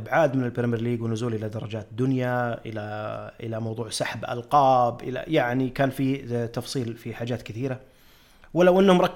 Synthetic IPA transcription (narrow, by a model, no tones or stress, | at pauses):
bʕaːd̪mɪnɪlbɪɾmiɾliːɡwɪnʊzuːlʔɪlad̪ɑɾˤɑd͡ʒaːt̪d̪ːʊnjaʔɪlaʔɪlamɑwðˤuːʕsaħbʔɑ̰lqɑːbʔɪ̰la̰jaʕnikaːnfit̪ɑfsˤiːlfiħaːd͡ʒaːt̪kɪθiːɾa | wɪlːawʔɪnːhʊmɾˤɑkː